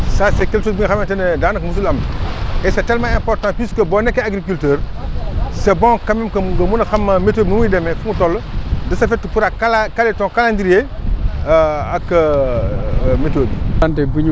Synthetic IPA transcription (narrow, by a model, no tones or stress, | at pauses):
saːsekɛlʃoːsbiŋɡɐxɐmɛntɐnɛdaːnɐkmus̬ulɐmɛsɐtɛlmaɛ̃mpɔrtãpiskəbɔnɛkːeaɡɾikyltəːɾ | sɛbɔ̃ŋkɐmɛmkɐmuɡɐmunɐxɐmːɐmetoːbinumujidɛmɛfuŋutɔlːdɐsɐfɛtːupuɾakalakaletɔ̃ŋkalandiɾije | ɐk | metoːbiantebuɲ